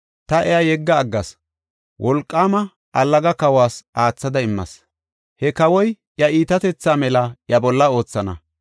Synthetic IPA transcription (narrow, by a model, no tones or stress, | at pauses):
t̪ɐʔɛjajɛɡːɐːɡːɐs | wʔɔlkʼːaːmɐ | ʔɐlːɐɡɐkɐwaːsʔaːt͡sːɐd̪ɐɪmːɐ̰s | hɛkɐwɔj | jɐʔiːt̪ɐt̪ɛt͡sːaːmɛlɐjɐbɔlːɐo̞ːt͡sːɐnɐ̰